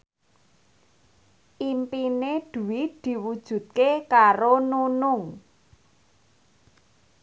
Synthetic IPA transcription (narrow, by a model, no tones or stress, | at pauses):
ʔimpined̪̥ṳwɪd̪̥i̤wud̥ʒ̥ṳt̪̚kekaɾonunʊŋ